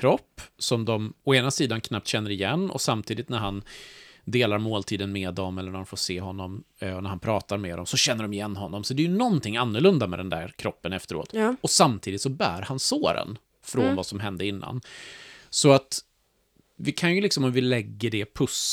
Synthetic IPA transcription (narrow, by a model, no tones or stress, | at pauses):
kʰɾɔpːsɔmd̪ɔmɔeːnasiːd̪ankʰnap̚t̪ɕɛnːəɾɪjɛnːɔ̰samt̪ʰiːd̪ɪt̪næɾɦand̪eːlaɾmoːlt̪ʰiːd̪ənmed̪ɔmɛlːəɾɳæɾɔnfoːʂeːɦɔnːɔmɔnæɾhanpʰɾɑːt̪aɾmɛːd̪ɔmsɔɕɛnːəɖɔmɪjɛnːhɔnːɔmsɔd̪ɛjɵnɔnt̪ʰɪŋːanːɵɭɵnd̪amɛ̰d̪ɛnd̪æ̰ɾkʰɾɔpːənɛft̪əɾo̰ːt̪ɔsamt̪ʰiːd̪ɪt̪sɔbæ̰ːɾhansoːɾə̰n | fɾɔnvasɔmɦɛnd̪əɪnːa̰n | sɔat̪ | vɪkʰanjɵlɪksɔmɔmvɪlɛɡːəɖɛpʰɵs